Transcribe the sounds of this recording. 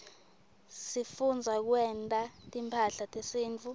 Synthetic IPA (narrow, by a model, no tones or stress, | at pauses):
sifund͡zʱak̬wɛntʼatʼimpʰaɬatʼesiːnt͡fʰu